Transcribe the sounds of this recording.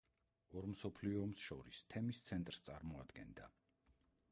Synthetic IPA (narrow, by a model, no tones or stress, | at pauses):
ɔɾmsɔpʰliɔːmsʃɔ̰ɾist̪ʰɛmist̪sʰɛnt̪ʼɾst̪sʼaɾmɔa̰d̪ɡɛnd̪a